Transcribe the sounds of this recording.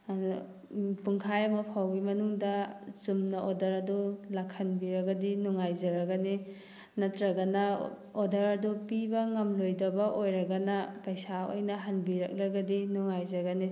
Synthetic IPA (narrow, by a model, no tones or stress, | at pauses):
puŋkʰajɐmɐpʰawɡimɐnuŋdɐzumnɐʔodɐɾɐdulakʰːɐnbiɾɐɡɐdinuŋajzɐɾɐɡani | nɐtɾɐɡɐnɐ | odɐɾɐdupibɐŋɐmlojdɐbɐʔojɾɐɡɐnɐpɐjsao̰jnɐɦɐnbiɾɐ̰k̚ɾɐɡɐdinuŋajzɐɡɐni